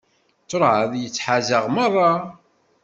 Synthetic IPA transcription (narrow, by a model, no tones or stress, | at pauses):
t͡sːoɾˤʕəðjət͡sːħazəʁmərˤːɑ